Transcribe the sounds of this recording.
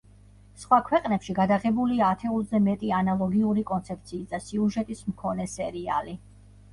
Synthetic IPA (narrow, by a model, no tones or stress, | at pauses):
sχwakʰwɛqʼnɛpʃiɡad̪aʁɛbuliaːt̪ʰɛuzɛmɛt̪ʼianalˠɔɡiuɾikʼɔnt̪sʰɛp̚t̪sʰiːsd̪asiuʒɛt̪ʼismkʰɔnɛsɛɾia̰li